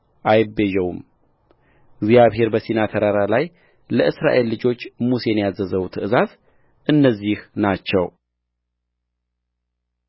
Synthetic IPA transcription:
ʔajɪbːeʒɛwum | ɪɡzijaβhe̞ɾbəsinat̪ʰəɾaɾalaj | ləʔɨsɾa̰ʔe̞lːɨd͡ʒo̞t͡ʃːmuse̞njazəzəwut̪ʰɨʔɨzaz | ʔɨnːəzːihnat͡ʃːɛw

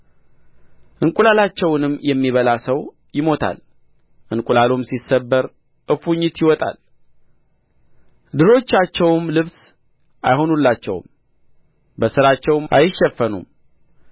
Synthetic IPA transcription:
ʔɨŋkʼulalat͡ʃːɛwnɨmːjɛmːiβəlasəw | jɪmo̞t̪ʰa̰l | ʔɨŋkʷʼulalomsisːəbːəɾ | ʔɨfuɲːɪt̪jɪwɔt̪ʼa̰l | d̪ɨɾo̞t͡ʃːat͡ʃːɛwmlɨβs | ʔa̰jho̞nulːat͡ʃːɛ̰w̰m | bəsɨɾat͡ʃːɛwmʔa̰jɪʃːɛfːənṵm

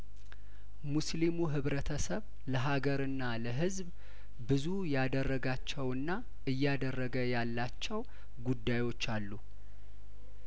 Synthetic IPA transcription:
muslimuɦɨβɾət̪ʰəsəβ | ləɦaɡəɾɨnːaləɦɨzb | bɨzujad̪ərːəɡat͡ʃːɛwɨnːa | ɨjːad̪ərːəɡəjalːat͡ʃːɛw | ɡud̪ːajwo̞t͡ʃːalːu

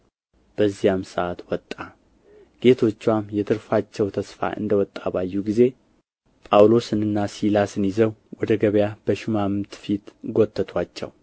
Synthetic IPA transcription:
b̥əzːijamsəʔat̪wɔt̪ʼːa | ɡ̥e̞t̪ʰo̞t͡ʃːwamjɛt̪ʰɨɾfat͡ʃːɛwt̪ʰəsfa̰ʔɨ̰nd̪əwɔt̪ʼːaβajːuɡize̞ | pʼawlo̞sɨnɨnːasilasɨnizəwwɔd̪əɡəβjab̥əʃɪmamt̪fit̪ɡo̞t̪ʰːət̪ʰwat͡ʃːɛ̰w

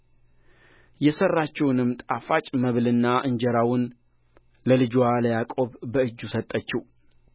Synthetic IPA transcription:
jɛsərːat͡ʃːɛwnɨmt̪ʼafat͡ʃʼməβlɨnːaʔɨɲd͡ʒɛɾawʊn | ləlɨd͡ʒwaləjakʼo̞βbəɨd͡ʒːusət̪ʼːət͡ʃːɛw

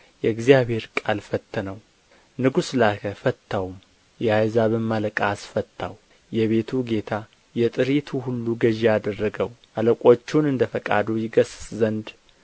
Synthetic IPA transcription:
jɛɨɡzijaβhe̞ɾkʼalfət̪ʰːənəw | nɨɡuslakʰəfət̪ʰːawum | jɛhajzaβəmːaləkʼasfət̪ʰːaw | jɛβe̞t̪ʰuɡe̞t̪ʰa | jɛt̪ʼɨɾit̪ʰuhulːuɡəʒead̪ərːəɡəwʔaləkʼo̞t͡ʃːunɨnd̪əfəkʼa̰d̪ujɪɡəsszənd̪

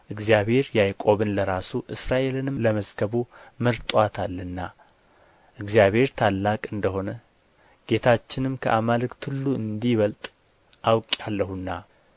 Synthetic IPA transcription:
ʔɨɡzijaβhe̞ɾjajkʼo̞βɨnləɾasuʔɨsɾaʔe̞lɨnɨmləməzɡəβuməlt̪ʼwat̪ʰalːɨnːa | ʔɨɡzijaβhe̞ɾt̪ʰalːakʼɨnd̪əɦo̞nə | ɡ̥e̞t̪ʰat͡ʃːɪnɨmkʰə̰ʔamalɨkt̪ʰɨlːuɨnd̪iβəlt̪ʼ | ʔawkʼjalːəhunːa

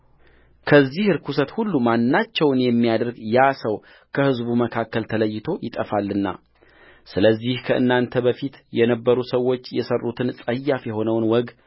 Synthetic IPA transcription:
kʰəzːihɨɾkʰusət̪hulːumanːat͡ʃːɛwnjɛmːijad̪əɾɡjasəw | kʰəhɨzbuməkʰakːəlt̪ʰələjːɪt̪ʰo̞jɪt̪ʼəfalːɨnːa̰ | sɨləzːihkʰəʔɨ̰nːant̪ʰəbəfit̪jɛnəbːəɾusəwːo̞t͡ʃːjɛsərːut̪ʰɨnsʼəjːafjɛho̞nəwnwɔɡ

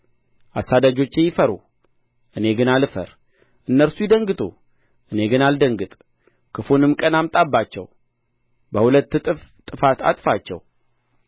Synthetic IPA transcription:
ʔasad̪ad͡ʒo̞t͡ʃːejɪfəɾṵ | ʔɨne̞ɡɨnalɨfə̰ɾ | ʔɨnːəɾsujɪd̪əŋɡɨt̪ʰʼo̰ | ʔɨne̞ɡɨnald̪əŋɡɨt̪ʼ | kʰɨfunɨmkʼənamt̪ʼabːat͡ʃːɛ̰w | bəhulət̪ːʼt̪ʼːɨfat̪a̰t̪ʼfat͡ʃːɛ̰w

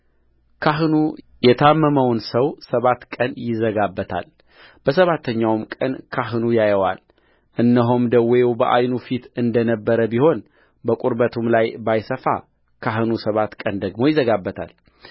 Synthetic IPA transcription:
kʰaɦnu | jɛt̪ʰamːəməwnsəwsəβat̪ːkʼənjɪzəɡabːət̪ʰa̰l | b̥əs̬əβat̪ʰːəɲːawmkʼənkʰaɦɨnujajəwal | ʔɨnːəɦomd̪əwjwbəʔa̰jnufit̪ɨnd̪ənəbːəɾəbiho̞n | bəkʼuɾbət̪ʰumlajbajsəfa̰ | kʰaɦɨnusəβat̪kʼənd̪əɡmo̞jɪzəɡabːət̪ʰa̰l

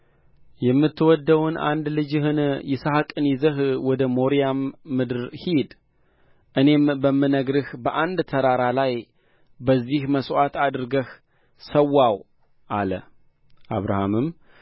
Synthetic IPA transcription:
jɛmːɨt̪ʰːwɔd̪ːəwnʔa̰nd̪lɨd͡ʒɪhɨnjɛsahakʼɨnizəɦwɔd̪əmo̞ɾijamːɨd̪ɨɾhid̪ | ʔɨne̞mbəmːɨnəɡɾɨhbəʔand̪t̪ʰəɾaɾalaj | bəzːihməswʷat̪ad̪ɾɨɡəh | səwːaw | ʔalə̰ | ʔa̰βɾa̰hamɨm

